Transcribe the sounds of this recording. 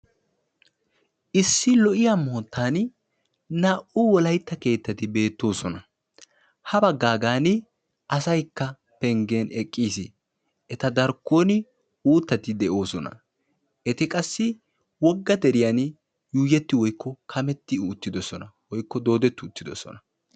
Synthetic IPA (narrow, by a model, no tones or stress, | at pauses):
ʔɪsːɪlɔʔɪjamo̞ːt̪ːaːn | nɐʔʊwɔlɐjt̪ːɐke̞ːt̪ːɐt̪ɪbe̞ːt̪ːo̞ːsɔnɐ | hɐbɐɡːaːɡaːnɪ | ʔɐsɐjkːɐ | pɛŋɡenɛkʼːiːsɪ | ʔɛt̪ɐd̪ɐɾkːoːnɪ | uːt̪ːɐt̪ɪd̪ɛʔo̞ːsɔnɐ̰ | ʔɛt̪ɪkʼɐsːɪ | wɔɡːɐd̪ɛɾɪjan | juːjɛt̪ːɪwɔjkːɔkʰɐmɛt̪ːɪːt̪ːɪd̪ɔsɔnɐwɔjkːɔd̪o̞ːd̪ɛt̪ːʊʊt̪ːɪd̪ɔ̰sɔ̰nɐ